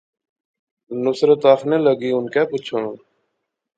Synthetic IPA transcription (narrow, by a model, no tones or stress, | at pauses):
nʊsɾət̪aːkʰneːləɡiːʊnkɛːpʊt͡ʃʰənː